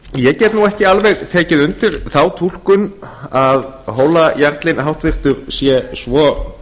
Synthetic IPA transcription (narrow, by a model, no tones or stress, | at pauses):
jɛcɛːt̪nuɛhcɪalveɣt̪ʰɛːcɪðʏnt̪ɪɾ̥θawt̪ʰul̥kʏnaðɦoːwlajaɾt̪lɪnɦawht̪vɪr̥t̪ʏɾsjɛsvɔ